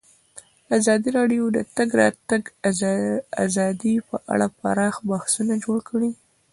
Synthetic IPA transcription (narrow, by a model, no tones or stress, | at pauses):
azɑd̪iɾɑɖijod̪ət̪aɡɾɑ̰t̪aɡ | a̰zɑd̪ipəʔa̰ɽapa̰ɾɑxbahsunad͡ʒoɽkɽi